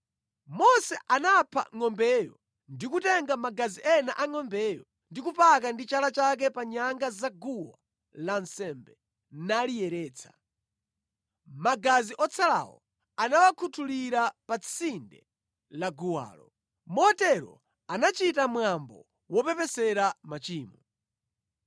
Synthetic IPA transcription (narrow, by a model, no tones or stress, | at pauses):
mɔsɛʔanapʰa̰ŋɔmbɛjɔ̰ | ndikutɛŋɡamaɡaziʔɛnaʔaŋɔmbɛːjɔ | ndikupak̬andit͡ʃalat͡ʃak̬ɛpaɲaŋɡazaɡuwa̰ | lansɛmbɛ | nalijɛɾɛːt͡sʰḁ̰ | maɡaziʔɔt͡sʰala̰wɔ̰ | anawakʰutʰuliɾapat͡sʰindɛ | laɡuwa̰ːlɔ | mɔtɛɾɔ̰ | anat͡ʃitamwambɔ | wɔpɛpɛsɛɾamat͡ʃiːmɔ